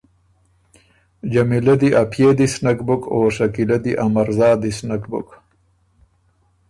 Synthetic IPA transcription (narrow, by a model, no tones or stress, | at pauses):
d͡ʒamilɐd̪iʔapʰjeːd̪isnakbukʰoːʂakilad̪iʔamaɾzɑːd̪isnakbʊ̰k